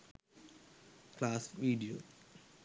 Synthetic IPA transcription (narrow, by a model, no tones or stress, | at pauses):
klaːsʋiːɖio